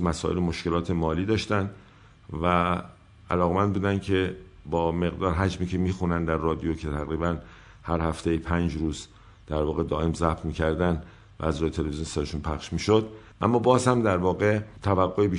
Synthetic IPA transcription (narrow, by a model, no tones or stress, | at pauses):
mæsɒ̰ːʔe̞lemoʃce̞lɒːt̪ʰe̞mɒːliːd̪ɒːʃt̪ænd̪ | væ | ʔæ̰lɒːɣemænd̪buːd̪æn̥cʰe | bɒːme̞ɣd̪ɒːɾɦæd͡ʒmiːcʰemiːxunænd̪æɾːɒːd̪ijocʰe̞t̪ʰæɣɾiːbæn | hæɾhæft̪ʰe̞jipʰænd͡ʒɾuːz | d̪̥æɾvɒːɣed̪ɒːʔe̞mzæpt̪miːcʰæɾd̪æn | væ̰æzɾuːjet̪ʰele̞veziunsed̪eʃuːnpʰæxʃmiːʃod̪ʔæmːɒːbɒːzhæmd̪æɾvɒːɣet̪ʰævæɣːoebiː